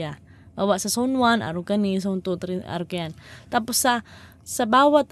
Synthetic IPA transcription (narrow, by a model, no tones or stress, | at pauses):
a | bawaʔsasaunwana̰ɾukanis̬aunt̪ut̪ɾia̰ɾukajant̪apʊsːa | sabawat̪